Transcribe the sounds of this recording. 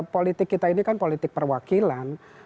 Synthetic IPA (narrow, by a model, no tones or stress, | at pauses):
polit̪ɪkːit̪ainikanpolit̪ɪk̚pərwakilan